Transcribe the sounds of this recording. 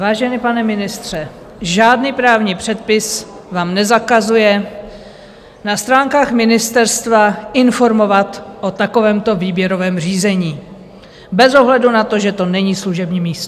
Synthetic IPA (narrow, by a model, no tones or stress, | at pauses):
vaːʒɛnɪpanɛmɪnɪst̪r̝̥ɛ | ʒaːdniːpɾaːvɲiːpr̥ɛt̪̚pɪs | vaːmnɛzakazujɛ | nast̪ɾaːŋkaːxmɪnɪst̪ɛɾst̪vaɪnfo̞ɾmo̞vat̪ʔot̪ako̞vɛːmt̪o̞viːbjɛɾo̞vɛːmr̝iːzɛɲiː | bɛzo̞ɦlɛdunat̪o̞ʒɛt̪o̞nɛɲiːsluʒɛbɲiːmiːst̪